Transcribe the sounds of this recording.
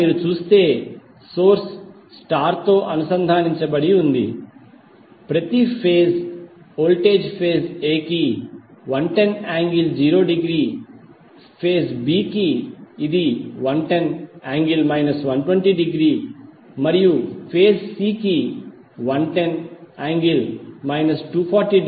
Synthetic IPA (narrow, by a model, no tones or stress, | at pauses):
miːɾut͡ʃuːst̪e̞ː | so̞ːɾs | sʈaːɾt̪o̞ːʔɐnusɐnd̪ʱaːniɲt͡ʃɐbɐɽiund̪ḭ | pɾɐt̪ipʰeːs | oːlʈe̞ːd͡ʒpʰe̞ːseːkiʋɐnʈenaːŋɡild͡ʒiːɾoːɖiɡɾiː | pʰeːsbiːkiid̪iʋɐnʈenaːŋɡilmɐjnɐsʋɐnʈweɳʈiɖiɡɾiː | mɐɾijupʰeːssiːki | ʋɐnʈenaːŋɡilmɐjnɐsʈuːpʰaːɾʈiː